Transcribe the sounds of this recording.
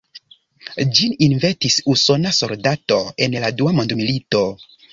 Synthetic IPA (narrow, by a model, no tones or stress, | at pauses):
d͡ʒininvetisuso̞naso̞ldato̞e̞nladuamo̞ndmilito̞